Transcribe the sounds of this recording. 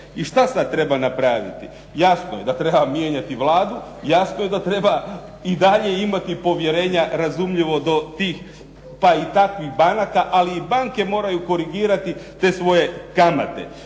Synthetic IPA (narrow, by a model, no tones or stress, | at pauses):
iʃt̪asad̪̚t̪ɾe̞banapɾaʋḭt̪i | jasnoje̞d̪at̪ɾe̞bamje̞ɲat̪iʋlaːd̪ujasno̞je̞d̪at̪ɾe̞ba | id̪aʎe̞imat̪ipo̞ʋje̞ɾe̞ːɲaɾazumʎiʋo̞d̪o̞t̪iːx | pait̪akʋixbanakaʔaliːbaŋke̞mo̞ːɾajuko̞ɾiɡiːɾat̪it̪e̞ːsʋo̞je̞kama̰t̪e̞̰